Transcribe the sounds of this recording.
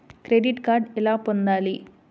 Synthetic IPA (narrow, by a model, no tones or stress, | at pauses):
kɾeɖiʈkaːɾɖɛlaːpond̪aːli